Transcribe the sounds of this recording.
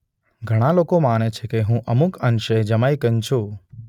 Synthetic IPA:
ɡʱəɽ̃alokomanet͡ʃʰekeɦũʔəmukʰənʃəd͡ʒəmajkənt͡ʃʰu

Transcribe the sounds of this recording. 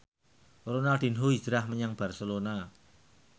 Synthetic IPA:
ronad̪̥i̤nɦoid͡ʒɾahməɲaŋb̥a̤rsəlona

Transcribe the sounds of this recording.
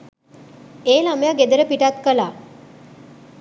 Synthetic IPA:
eːlamejaɡed̪əɾəpiʈat̪kəla

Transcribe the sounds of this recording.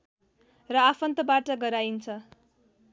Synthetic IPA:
rʌapʰʌnt̪ʌbaʈʌɡʌɾaint͡sʰʌ

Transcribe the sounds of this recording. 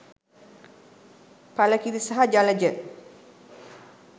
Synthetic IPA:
paləkit̪isaɦad͡ʒaləd͡ʒə

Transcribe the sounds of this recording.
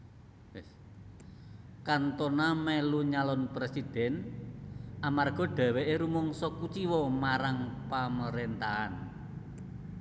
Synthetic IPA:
kant̪ɔnamɛluɲalɔnpɾesid̪̥ɛ̤n | ʔamarɡ̥ɔ̤ɖ̥a̤weʔeɾumɔŋsɔkut͡ʃiwɔmaɾaŋpaməɾent̪aa̰n

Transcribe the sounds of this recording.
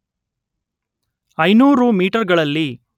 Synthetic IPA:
ɐjnuːɾumiːʈɐɾɡɐɭɐlːi

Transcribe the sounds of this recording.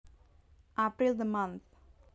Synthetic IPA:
apɾild̪əmʌ̃nt̪ʰ

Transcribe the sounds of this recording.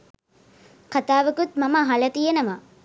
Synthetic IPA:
kat̪aːʋəkut̪maməɦalət̪ijenəʋa

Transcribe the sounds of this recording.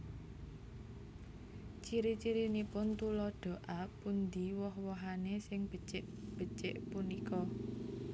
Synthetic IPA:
t͡ʃiɾit͡ʃiɾinipʊnt̪ulɔɖ̪̥o̤ʔapund̪iwɔhwɔɦanesɪŋb̥ət͡ʃɪʔ | b̥ə̤t͡ʃɪʔpunikɔ

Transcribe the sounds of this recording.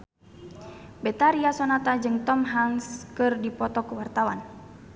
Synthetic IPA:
bɛt̪aɾiasɔnat̪ad͡ʒɨŋt̪ɔmɦaŋskɨrdipɔt̪ɔkuwart̪awan

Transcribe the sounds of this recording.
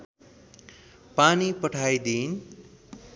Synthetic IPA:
panipʌʈʰajd̪in

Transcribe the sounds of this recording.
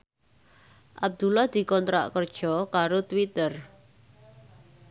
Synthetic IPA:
ʔab̚d̪̥ulahd̪̥i̤kɔnt̪ɾa̰ʔkərd̥ʒ̥ɔkaɾot̪wit̪ər

